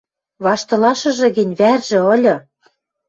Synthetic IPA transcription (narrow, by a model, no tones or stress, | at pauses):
βɑʃt̪ɤ̆lɑʃɤ̆ʒɤ̆ɣɘ̆nʲβærʒĕɤ̆lʲɤ̆